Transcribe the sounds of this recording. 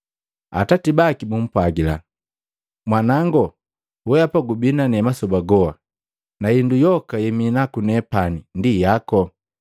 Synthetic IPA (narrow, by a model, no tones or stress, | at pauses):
a̰tatibakimum̩pwaɡila̰ | mwanaŋɡɔ | wɛjapaɡubinanɛmasɔbaɡɔa | naindujɔkajɛminakunɛpanindijakɔ